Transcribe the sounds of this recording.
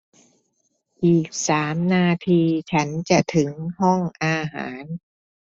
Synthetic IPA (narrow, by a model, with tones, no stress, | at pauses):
ʔiː˨˩k̚saː˩˦mnaː˧t̪ʰiː˧t͡ɕʰa˦˥nt͡ɕa˨˩t̪ʰɯ˩˦ŋɦɔ˥˩ŋʔaː˧ɦa̰ː˩˦n